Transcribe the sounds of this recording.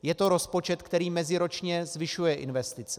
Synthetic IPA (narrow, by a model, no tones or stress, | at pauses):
jɛt̪o̞ɾo̞spo̞t͡ʃɛt̪kt̪ɛɾiːmɛzɪɾo̞t͡ʃɲɛzvɪʃujɛʔɪ̰nvɛst̪ɪt͡sɛ̥